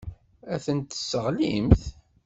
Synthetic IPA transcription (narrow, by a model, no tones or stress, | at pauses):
æθənt̪əsːəʁlimθ